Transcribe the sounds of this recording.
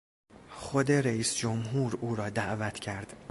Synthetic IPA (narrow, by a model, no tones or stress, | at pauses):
xo̞d̪e̞ɾeiːsd͡ʒomɦuːɾuːɾɒːd̪æʔvæt̪ʰcʰæɾd̪̥